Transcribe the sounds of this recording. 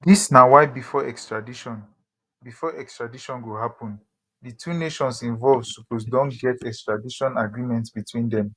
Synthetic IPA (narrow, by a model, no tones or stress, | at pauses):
disnawaɪbifɔɛkstɹadiʃɔ̃n | bifɔʔɛkstɹadiʃɔ̃nɡoɦapɔ̃n | ditʰuneʃɔ̃nsĩnvɔlvsupʰos̬dɔ̃nɡɛtɛkstɹadiʃɔ̃naɡɹimɛ̃ntsbitʰwĩndɛ̃m